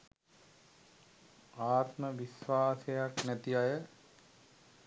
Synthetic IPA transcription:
aːt̪məʋisʋaːsejaknæt̪ijajə

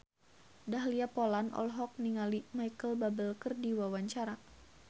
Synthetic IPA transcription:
daɦliapolanʔɔ̰lɦɔk̚niŋalimajkəlbabəlkərdiwawaɲt͡ʃaɾa

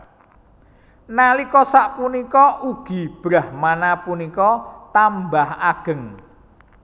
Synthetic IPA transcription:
nalikɔsaʔpunikɔʔuɡ̥i̤b̥ɾahmanapunikɔt̪ambahaɡ̥ə̤ŋ

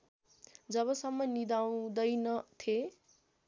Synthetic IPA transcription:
d͡zʌβʌsʌmːʌnid̪aw̃d̪ʌjnʌt̪ʰje

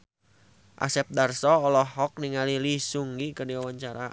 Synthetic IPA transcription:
ʔa̰sɛp̚darsɔːlɔhɔk̚niŋalilisuŋɡikədiwawaɲt͡ʃaɾa̰

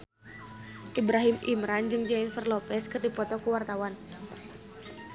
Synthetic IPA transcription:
ʔibɾaɦimʔḭmɾand͡ʒɨŋd͡ʒainfɛrlɔpɛskɨrdipɔt̪ɔkuwart̪awan

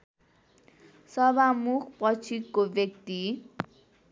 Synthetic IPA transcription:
sʌbʱamukʰpʌt͡sʰikːobjʌk̚t̪i

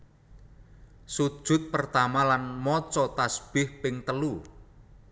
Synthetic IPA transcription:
sud̥ʒ̥ʊ̤t̪̚pərt̪amalanmɔt͡ʃɔt̪asb̥ɪhpɪŋt̪əlu

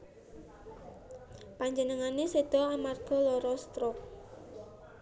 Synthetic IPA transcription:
paɲd͡ʒənəŋanesed̪̥ɔamarɡ̥ɔ̤lɔɾɔst̪ɾʊk̚

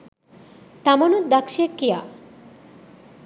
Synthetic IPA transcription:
t̪amonud̪akʃekːija

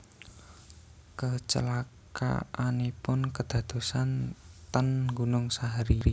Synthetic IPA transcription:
kət͡ʃə̰laka̰anipʊnkəd̪̥ä̤d̪̥o̤sant̪ənɡunʊŋsaɦaɾiɾi

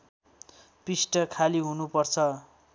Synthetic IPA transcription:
pisʈʌkʰaliɦunupʌrt͡sʰʌ

